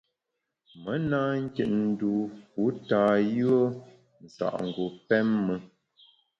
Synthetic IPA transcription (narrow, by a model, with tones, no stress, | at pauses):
mə˦naː˦ŋ̩˦kə˨ʔ̚n̩˨du˨ku˨˦taː˨jʉ˦ə˦ | n̩˨sa̰˨ʔŋ̩˨ɡo˨pɛ˦mːə˦